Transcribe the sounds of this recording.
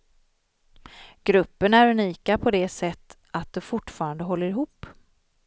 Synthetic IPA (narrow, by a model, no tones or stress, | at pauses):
ɡ̥ɾɵpːənæɾʉniːkapʰɔd̪ɛsɛt̪ː | at̪̚d̪ɔfʊʈːfɑːɾand̪əɦɔlːəɾɪɦuːpː